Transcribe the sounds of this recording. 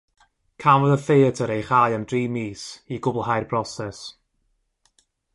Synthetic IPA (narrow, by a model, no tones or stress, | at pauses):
kʰamvɔðəfeːtʰəɾejχajəmdriːmiːsiɡʊbəlˠɦajrbrɔsɛs